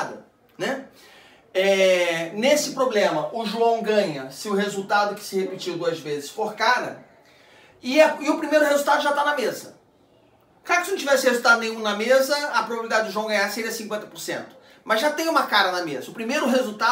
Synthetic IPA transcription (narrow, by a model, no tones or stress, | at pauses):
d̪ɐ̰ | nɛ | ɛnesɪpɾoblẽmɐʔʊʒuɐ̃w̃ɡɐ̃ɲɐsɪʊɦezuwt̪ad̪ʊkɪ̥sɪhepit͡ʃiwd̪uɐzvezɪsfoɾkaɾɐ | ɪaɪʊpɾimejɾʊhezuwt̪ad̪ʊʒat̪anɐmezɐ | kaɾkɪsɪnɐ̃t͡ʃʲivɛsɪhezut̪ad̪ʊnẽj̃ũnɐmezɐɐpɾobabilid̪ad͡ʒɪd̪ʊʒuɐ̃w̃ɡɐ̃ɲaɾseɾiɐsĩŋkwẽnt̪ɐ̥poɾsḛ̃nt̪ʊ̥ | mɐzʒat̪ẽj̃ũmɐkaɾɐnɐmezɐʊpɾimejɾʊɦezut̪a